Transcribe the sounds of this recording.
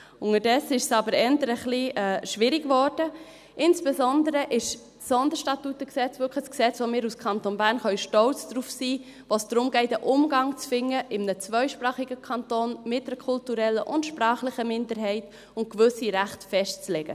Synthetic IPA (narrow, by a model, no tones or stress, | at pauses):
ʊŋədɛsɪʃsɑbəɾɛntəɾəχliɛːʃʋɪɾɪɡvɔɾd̥ə | ʔɪnsb̥ɛzɔndəɾəʔɪʃ | sɔndəɾʃtɑtutəksɛt͡svʏkʰχəsksɛt͡sʋomɪːɾuskʰɑntonbæːɾnχœʏʃtɔlt͡sd̥ɾuːfsiː | vosd̥ɾʊmɡɛɪtəʔʊmɡɑŋt͡sfɪŋːəʔɪmnət͡svœʏʃpɾɑːχiɡəkʰɑntoːnmɪt̚d̥əɾkʰʊltuɾɛləʔʊndʃprɑːχlɪχəmɪndəɾɦɛɪt | ʊnt̚kvʏsiɾæχtfɛʃtt͡slɛɡ̥ə̰